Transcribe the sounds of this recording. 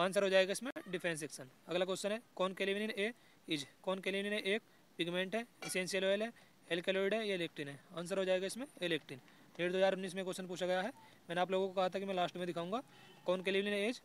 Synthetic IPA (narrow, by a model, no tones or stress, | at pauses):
ãːnsəɾɦoːd͡ʒaːeɡaɪsmẽɖɪpʰẽːns̬eːksənɐɡləkoːsənɦɛkɔːnkeːliʋnineːk | ɪd͡ʒːɔːnkeːliʋlinɦɛʔeːk | pɪɡmẽːɳʈɦɛesẽnsijəloːəlɦɛ | elkeloːɾɪɖɦɛjaɪleːk̚ʈinɦɛ̃aːns̬əɾɦoːd͡ʒaːeɡaɪsmẽeleːk̚ʈɪn | meːɾd̪oːɦzaːɾʊnːiːs̬mẽkoːsənp̬uːt͡ʃʰaɡɐjaɦɛ | mɛːneaːp̬loːɡõkokɐɦat̪aɦekimɛ̃laːsʈmẽd̪ɪkʰaːũːŋɡaː | kɔːnkeːliʋninɦẽed͡ʒ